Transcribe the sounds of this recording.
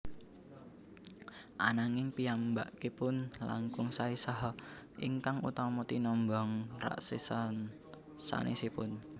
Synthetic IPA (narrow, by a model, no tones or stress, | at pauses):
ʔanaŋɪŋpiambaʔkepʊnla̰ŋkʊŋsaisɔɦɔʔiŋkaŋṵt̪ɔmɔt̪inɔmbɔŋra̰ʔsisn | sa̰nʔesipʊn